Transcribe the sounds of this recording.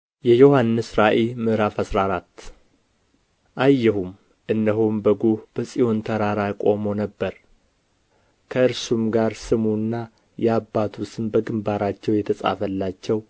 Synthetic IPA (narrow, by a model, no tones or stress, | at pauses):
jɛjo̞hanːɨsɾaʔelmɨʔɾafəsɾaɾat̪ː | ʔajːɛhum | ʔɨnːəɦombəɡobəsʼijo̞nt̪ʰəɾaɾakʼo̞̰mo̞nəbːəɾ | kʰəɨɾsumɡaɾsɨmunːa | jɛabːat̪ʰusɨnbəɡɨmbaɾat͡ʃːɛwjɛt̪ʰəsʼa̰fəlːat͡ʃːɛw